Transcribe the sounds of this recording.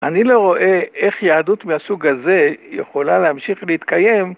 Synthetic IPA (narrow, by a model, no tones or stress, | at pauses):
ʔanilo̞ʁo̞ʔe̞eχjaːdut̪measuɡaze̞jeχo̞laleamʃiχleit̪kaje̞m